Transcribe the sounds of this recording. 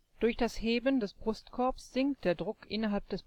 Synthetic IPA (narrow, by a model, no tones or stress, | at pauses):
d̥ʊɐçd̥asheːbəndɛsb̥ʁʊstkʰɔɐpsz̥ɪŋkt̚d̥eːɐdʁʊkʔɪnɐɦalp̚d̥ɛs